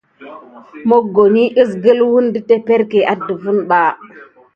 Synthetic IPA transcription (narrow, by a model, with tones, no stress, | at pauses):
mo˦ɡo˨ɲi˦ʔi˦s̬ɡə˦lwu˦ndi˦te˦pe˦ɾke˨ʔa˦də˨vu˦nɓa˦˨